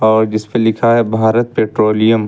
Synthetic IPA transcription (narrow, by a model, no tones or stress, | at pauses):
ɔːɾd͡ʒɪspelɪkʰaɦɛbʱaːɾət̪̚peːʈɾoːlijə̃m